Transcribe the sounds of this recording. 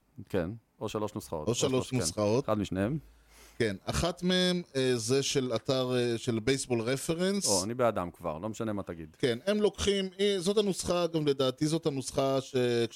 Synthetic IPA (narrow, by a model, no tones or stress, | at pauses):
kḛn | oʃaloʃnusχa̰o̰toʃaloʃnusχao̞tad̪miʃneem | kenaχat̪mee̞mezeʃe̞lataʁeʃe̞lbejsbo̞lʁefe̞ʁensoanibead̪amkva̰ʁlo̞meʃanemat̪aɡid̪ke̞nemlo̞kχimizo̞thanusχaɡamle̞d̪aːt̪izo̞thanusχaʃek